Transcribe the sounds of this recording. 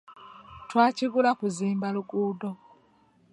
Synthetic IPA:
twaːciɡulakuziːmbaluɡuːdo

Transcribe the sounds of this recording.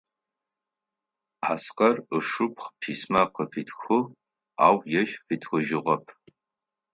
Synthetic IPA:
a̰ːsqɐrɨʂɨpʰχpʰiːsmaqəpiːtʰxɨ | aːwjɛʒfiːtʰxʷʊʒɪʁɐpʰ

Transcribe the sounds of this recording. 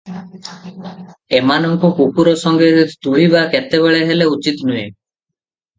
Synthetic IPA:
emanɔŋkɔkukuɾɔsɔŋɡet̪uɭ̤ibaket̪eβeɭeɦeleut͡ʃit̪nujḛ

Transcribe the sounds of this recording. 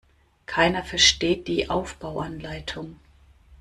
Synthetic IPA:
kʰaɪnɐfɛɐʃteːt̚d̥iːʔaʊfb̥aʊʔanlaɪtʰʊŋ

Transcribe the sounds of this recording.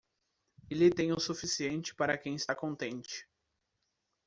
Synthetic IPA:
ɪlɪt̪ẽj̃ʊsufisiẽnt͡ʃɪ̥paɾɐkẽj̃ɪst̪akõnt̪ẽnt͡ʃɪ̥

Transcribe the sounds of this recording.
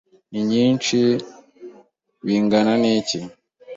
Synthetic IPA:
niɲiːnt͡ʃi | wiːŋɡananici

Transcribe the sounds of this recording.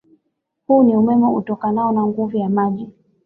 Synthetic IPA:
huːniumɛmɛṵtɔkanaɔnaŋɡuvujamaʄi

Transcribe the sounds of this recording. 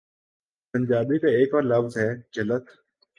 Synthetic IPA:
pəɲʲd͡ʒaːbikeeːkʋaːɾlɐfzɦɛːd͡ʒələt̪

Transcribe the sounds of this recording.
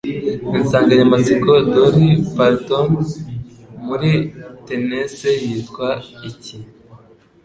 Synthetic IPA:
insaːŋɡaɲamat͡sikodoɾipaɾton | muɾitenesejitkwaici

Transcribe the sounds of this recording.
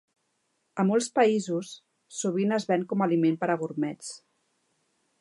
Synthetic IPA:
əmɔlˠspəizusː | uβ̞inəzβɛŋkɔmalimempəɾəɣuɾmɛt͡s

